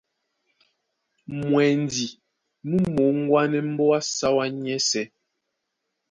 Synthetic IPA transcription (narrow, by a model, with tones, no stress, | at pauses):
mwɛ˨n˨di˨ | mu˦mo˨˦ŋ̩˦ɡwa˦nɛ˦m̩˦bɔ˦a˦sa˦wa˦ɲɛ˦sɛ˦